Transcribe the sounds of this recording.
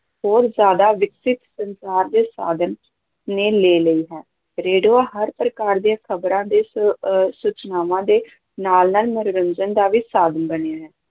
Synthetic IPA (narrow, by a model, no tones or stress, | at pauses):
ɦoːɾzjaːd̪aːʋɪksɪt̪sənsaːɾd̪eːsa̰ːd̪ən | neːleːləiːɦɛː | ɾeːɖoːaːɦəɾpɾəkaːɾd̪iãːkʰəbɾãːd̪eːsut͡ʃnaːʋãːd̪eː | naːlnaːlməɾʊɾənd͡ʒənd̪aːʋiːsaːd̪ənbəneːɦɛː